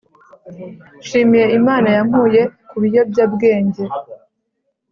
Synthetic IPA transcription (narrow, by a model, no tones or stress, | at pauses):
ʃiːmije̞imaːnajam̥huːje̞kuβijo̞bɟabɡe̞ːɲɟe̞